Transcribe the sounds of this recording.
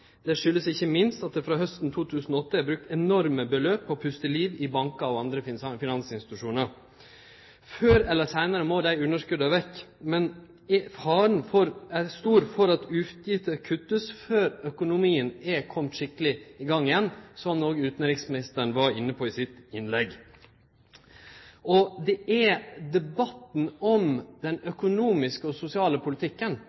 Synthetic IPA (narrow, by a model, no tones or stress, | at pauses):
d̪̥ɛʂʏlːəsɪçːəmɪnst̪ɑt̪̚d̪ɛfɾɑːɦœst̪n̩t̪ʰuːt̪ʰʉːsn̩ɔɔt̪ːəæbɾʉk̚t̪ɛnɔɾməbəløːpʰːɔpʰʉst̪əliːʋɪbɑŋkɑɔʋɑnd̪ɾəfɪnɑnsɪnsɪt̪ʉʂuːnəɾ | føːɾɛlːəsæɪnɑɾəmod̪æɪʉnːəʂkʉd̪ɑʋɛkːmɛn | fɑːɾən̩fɔɾɛst̪uːɾfɔɾɑt̪ʰʉft̪jɪt̪əkʰʉt̪ːəsføːɾœkʊnʊmiːənɛkʰɔmt̪ʂɪkːəlɪɪɡɑŋːɪjɛnːsɔmnoːɡʉːt̪n̩ɾɪksmɪnɪst̪əɳʋɑɾɪnːəpʰoːɪsɪt̪ɪnlɛɡ | ʔɔd̪ɛʔæd̪ɛbɑt̪n̩ɔmd̪̥ɛnœkʊnuːmɪskəɔsʊsɪɑːləpʰʊlɪt̪ʰɪkːən